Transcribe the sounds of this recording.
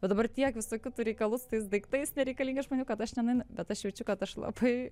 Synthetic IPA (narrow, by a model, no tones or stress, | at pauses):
ʋɐd̪ɐbɐrt̪ʲiɛkʋʲɪsoːkʲʊt̪uɾʲɛɪkɐlˠʊst̪ɐɪs̬d̪ɐɪkt̪ɐɪsnʲɛɾʲɛɪkɐlʲiːŋɡɐɪʒmoːnʲuːkɐt̪ɐʃnʲɛnɐɪnbʲɛt̪ɐʃʃʲʋʲɛt͡ʃʲʊkɐt̪ɐʃlˠɐ̰bɐɪ